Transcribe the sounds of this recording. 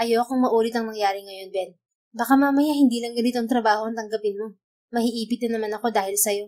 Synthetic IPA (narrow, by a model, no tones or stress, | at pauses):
ʔɐjokoŋmɐʔuːɾɪt̪ɐŋnɐŋjaːɾɪŋɐjo̞nbɛn | bɐkamamɐjahɪnd̪iːlɐŋɡɐnɪt̪oŋt̪ɾɐbaːho̞ʔɐŋt̪ɐŋɡɐpɪnmo̞ | mɐhɪʔiːpɪt̪̚ɪnɐmanɐko̞d̪aːhɪlsɐjo̞